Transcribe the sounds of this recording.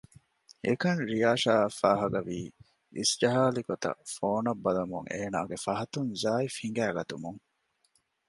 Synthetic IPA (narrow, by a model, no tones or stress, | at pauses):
ḛkɐnɾijaːʃaːɐfaːɦɐɡɐʋiː | isd͡ʒɐɦaːliɡot̪ɐ̰foːnɐbːɐlɐmuŋḛːnaːɡefɐɦɐt̪unzaːifhiŋ̆ɡæːɡɐt̪umuŋ